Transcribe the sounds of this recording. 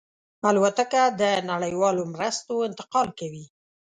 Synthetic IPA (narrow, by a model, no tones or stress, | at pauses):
alwat̪akad̪ənaɽəjwɑlomɾəst̪oɪnt̪ɪ̥qɑlkawi